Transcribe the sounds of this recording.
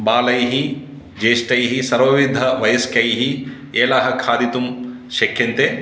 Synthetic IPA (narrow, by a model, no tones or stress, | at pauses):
baːlɐjɦi | d͡ʒeːʂʈɐjɦisɐɾʋɐʋid̪ʱːɐʋɐjɐskʰjɐjɦi | eːlaːɦɐkʰaːd̪it̪um | ʃɐkʰjɐnt̪e